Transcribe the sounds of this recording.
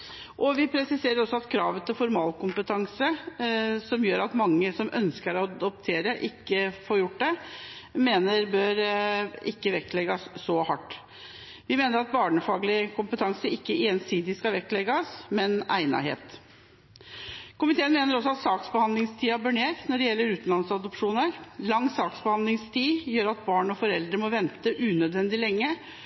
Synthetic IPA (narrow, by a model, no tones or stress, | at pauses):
ʔɔʋɪpʰɾɛsɪseːɾəɾɔsːɔɑt̪kʰɾɑːʋət̪ʰɪlfɔɾmɑːlkʊmpət̪ʰɑŋsə | sɔmjøːɾɑt̪mɑŋːəsɔmʔœ̰nskəɾɔd̪ɔp̚t̪ʰeːɾəʔɪkːəfoːɾjʊʈ̚ːd̪ɛmeːnəɾbøːɾɪkːəʋɛkt̪lɛɡɑsːɔhɑʈː | ʋɪmeːnəɾɑt̪̚bɑːɳəfɑːɡlɪkʰʊmpət̪ʰɑŋsəɪkːəeːnsiːd̪ɪskɑʋɛkt̪lɛɡɑsmɛnæ̰ɪnɑ̰hḛːt̪ | kʰʊmɪt̪ʰeːənmeːnəɾɔs̬ːɔɑt̪sɑːksbəɑnd̪lɪŋst̪ʰiːæɾbœɳeːɾt̪nɔɖɛjɛlːəɾʉːt̪n̩lɑnsɑd̪ɔpʂuːnəɾlɑŋːsɑːksbəhɑnd̪lɪŋst̪ʰiːjøːɾɑt̪̚bɑːɳɔfɔɾɛld̪ɾəmɔʋɛnt̪əʔʉːnœd̪ʋɛnd̪ɪlɛŋːə